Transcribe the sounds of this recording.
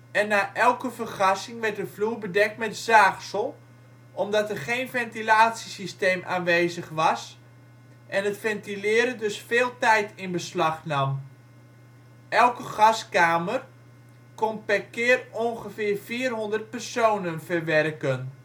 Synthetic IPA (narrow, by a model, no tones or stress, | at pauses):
ɛnːaːʔɛlˠkəfərχɑsɪŋʋɛrt̚dəvluːrbədɛk̚tmɛtzaːχsəlˠ | ʔɔmdɑtɛrχeːnfɛntilaːtsisisteːmʔaːnʋeːzəχʋɑs | ʔɛnətfɛntilɪːəɾədøsfeːlˠtɛjtɪnbəslɑχnɑm | ʔɛlˠkəɣɑskaːmər | kɔnpɛrkɪːərɔnχəfɪːrfiːrɦʊndərt̚pɛrsoːnənfərʋɛrkən